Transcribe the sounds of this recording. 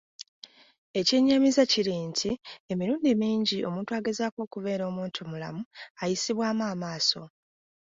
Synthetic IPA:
e̞ceɲːamizaciɾintʰie̞miɾuːndimiːɲɟiʔo̞muːntwaːɡe̞zaːkwo̞ːkuβe̞ːɾo̞ːmuːntʰumula̰muajisiβwaːmaːmaːso̞

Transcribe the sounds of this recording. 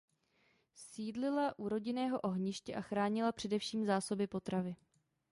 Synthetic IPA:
siːdlɪlaʔuɾo̞ɟɪnɛːɦo̞ʔo̞ɦɲɪʃcɛʔaxɾaːɲɪlapr̝̥ɛdɛfʃiːmzaːso̞bɪpo̞t̪ɾavɪ

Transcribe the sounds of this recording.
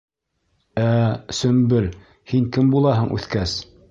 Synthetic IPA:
æsɵ̆mbɘl | hiŋkɘmbulˠɑɦɤɴʔʉ̰θkæs

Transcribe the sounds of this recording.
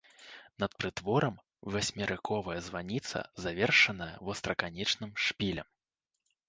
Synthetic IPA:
nɐt̪̚pɾɨt̪vɔɾɐm | vasʲmʲɛɾɨkʰɔvɐjɐzvanʲit̪sɐ̰zavʲɛrʂɐnɐjɐ̰vɔst̪ɾɐkanʲɛt͡ʂnɨmʂpʲilʲɐm

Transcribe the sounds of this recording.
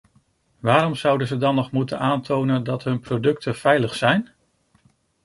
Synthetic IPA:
ʋaːɾɔmz̥ʌwdəzədɑnːɔχmutə̰naːntʰownəndɑtɦɵnprodɵk̚tʰəv̥ɛjləχsɛjn

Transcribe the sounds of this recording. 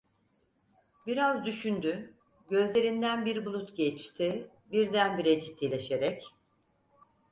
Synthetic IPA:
biɾazd̪yʃynd̪y | ɟø̞zlʲe̞ɾind̪ænbiɾbulˠut̪ɟɛt͡ʃt̪ʰi | biɾd̪ænbiɾɛd͡ʒit̪ʰːilʲeʃeɾɛc

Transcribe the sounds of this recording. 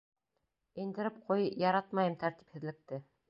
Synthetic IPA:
ĭnd̪ɘ̆ɾɘpqʰujjɑɾɑt̪mɑjɤmt̪æɾt̪i̥phɘ̆ðlɘ̆k̚t̪ɘ

